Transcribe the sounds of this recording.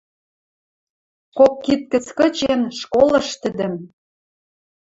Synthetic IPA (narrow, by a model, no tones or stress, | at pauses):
kokːit̪̚kə̆t͡skɤ̆t͡ɕenʃkolɤ̆ʃt̪ə̆d̪ə̆m